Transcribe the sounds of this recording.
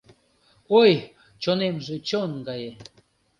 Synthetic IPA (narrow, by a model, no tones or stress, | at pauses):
oj | t͡ɕonemʒet͡ɕonɡɑje